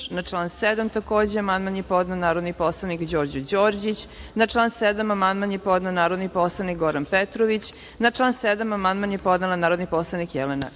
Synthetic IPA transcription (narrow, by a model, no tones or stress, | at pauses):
nat͡ʂlˠaːnsed̪amt̪akoːd͡ʑeamand̪manjepod̪nanaːɾod̪niposlˠanikd͡ʑoːɾd͡ʑud͡ʑoːɾd͡ʑit͡ɕnat͡ʂlˠaːnsed̪amamand̪manjepod̪nanaːɾod̪niposlˠanik̚ɡoɾanpet̪ɾoʋit͡ɕ | nat͡ʂlˠaːnsed̪amamand̪manjepod̪nelˠanaːɾod̪niposlˠanikjɛlena̰